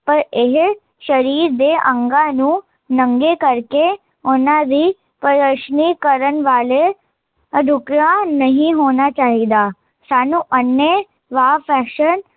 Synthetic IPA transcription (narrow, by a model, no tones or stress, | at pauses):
pəɾeɦe | ʃəɾiːɾd̪eʔə̃ŋɡanũ | nəŋɡekəɾke | onad̪i | pəɾəʃnikəɾənʋaːle | ɖʱukɾãnəɦĩɦoːnat͡ʃaːɦid̪a | saːnũʔənjə | ʋafɛʃən